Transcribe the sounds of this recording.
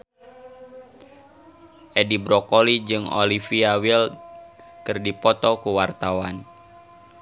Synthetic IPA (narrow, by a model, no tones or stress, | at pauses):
ʔɛdibɾɔkolid͡ʒɨŋo̰lifiawil | kɨrdipɔt̪ɔkuwart̪awan